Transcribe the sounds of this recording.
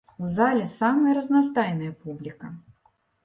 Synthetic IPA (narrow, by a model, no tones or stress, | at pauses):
uzalʲɛsamɐjɐɾɐznas̬t̪ajnɨjɐpublʲikɐ